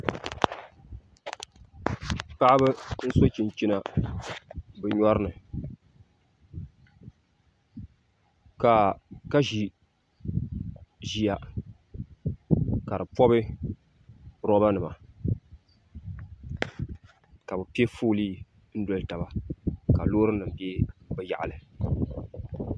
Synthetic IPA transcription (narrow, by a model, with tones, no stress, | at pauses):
pa˦ʔa˦bɨ˦n̩˦so˦t͡ʃi˨n˨t͡ʃi˦na˨ | bɨ˨ɲɔ˦ɾɨ˦nɨ˨ | ka˨ka˦ʒi˨ | ʒi˦ja˨ | ka˨ɾɨ˨pɔ˦bɨ˦ | ɾɔ˦ba˦nɨ˨ma̰˨ | ka˨bɨ˨pi˦e˦fuː˦liː˦ | n̩˦do˦lta˨ba˨ka˨loː˦ɾɨ˦nɨ˨m˨be˦bɛ˨ja̰˨ʔa̰˨lɨ˨